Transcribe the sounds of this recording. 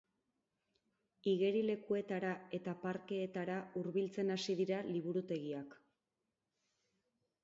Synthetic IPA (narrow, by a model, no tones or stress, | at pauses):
iɣe̞ɾile̞kue̞t̪aɾae̞t̪apaɾke̞ːt̪aɾauɾβilt͡se̞nasiðiɾaliβuɾut̪e̞ɣiak